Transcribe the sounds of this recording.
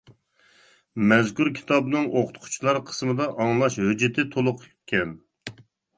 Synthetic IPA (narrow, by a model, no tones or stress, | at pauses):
mɛzkʲuɾkʲʰi̥t̪ɑbnɨŋʔoqʰʊ̥t̪qʰu̥t͡ʃʰilˠɑɾqʰə̥smɨd̪ɑʔɑŋlˠɑʃhød͡ʒɪt̪ʰɪt̪ʰolˠʊqʰykʲʰːɛn